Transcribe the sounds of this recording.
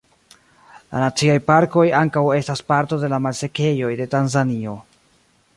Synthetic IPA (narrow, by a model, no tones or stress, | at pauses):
la̰nat͡siajpaɾko̞jaŋkawe̞staspaɾto̞de̞lamalse̞ke̞jo̞jde̞tanzanio̞